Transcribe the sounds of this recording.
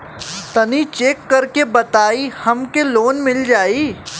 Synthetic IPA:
t̪ɐnit͡ʃeːkːɐɾkebɐt̪aːihɐmkeloːnmɪld͡ʒaːiː

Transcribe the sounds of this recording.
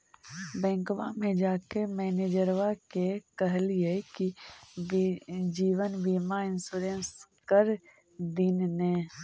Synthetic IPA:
bɛ̃ːŋkʋamẽd͡ʒaːkemɛːneːd͡ʒəɾʋakekəɦliekibd͡ʒiːʋənbiːmaɪnsuːɾẽnskəɾ | d̪ɪnnẽː

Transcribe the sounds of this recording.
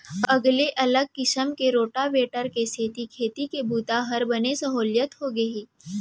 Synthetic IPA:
ɐɡleʔɐləɡ̚kɪsəmkeɾoːʈaʋeːʈəɾkeseːt̪ikʰeːt̪ikebuːt̪aɦəɾbɐnesɐɦoːljət̪ɦoɡɐɦiː

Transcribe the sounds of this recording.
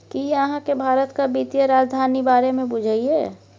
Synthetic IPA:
kijeəɦãkebʱaːɾət̪kabit̪ijəɾaːd͡ʒd̪ʱaːnibaːɾemẽbʊd͡ʒʱaiɛː

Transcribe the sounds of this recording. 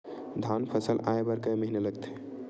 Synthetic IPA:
d̪ʱanpʰəsəlaebəɾkəməɦineləɡt̪ʰe

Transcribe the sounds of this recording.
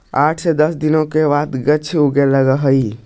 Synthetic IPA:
aʈʰsed̪əsd̪inokebat̪ɡət͡ʃʰuɡeləɡəɦəj

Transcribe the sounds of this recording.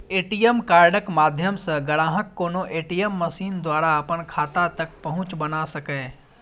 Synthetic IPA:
eːʈijemkaːɾɖəkmaːd̪ʱjəmsəɡɐɽãːɦəkːoːnoʔeːʈijəmːɐsiːnd̪waːɾaɐpənkʰaːt̪at̪ɐk̚pɐɦʊ̃t͡ʃbɐnasɐkɛː

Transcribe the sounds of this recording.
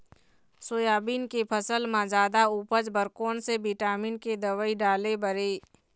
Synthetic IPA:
soːjaːbiːnkepʰəsəlmãd͡ʒaːd̪auːpəd͡ʒbəɾkoːnsebiʈaːmiːnked̪əʋəiɖaːlebəɾeː

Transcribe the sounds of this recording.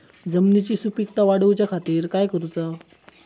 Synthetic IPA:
d͡zəmnit͡ɕiːsupik̚t̪aʋaɽəʋt͡ɕjakʰat̪iːɾkajkəɾut͡sa

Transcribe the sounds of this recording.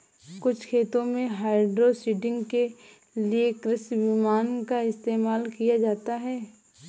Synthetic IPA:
kʊt͡ʃʰkʰeːt̪õmẽɦaːɪɖɾosiːʈɪ̃ŋɡke | liekɾɪsʋimaːnkaɪst̪eːmaːlkijad͡ʒaːt̪aɦɛː

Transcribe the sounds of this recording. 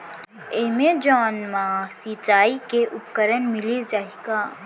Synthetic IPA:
emed͡ʒɔːnmasiːt͡ʃaːikeʔʊpkəɾənmɪlizd͡ʒaːɦikaː

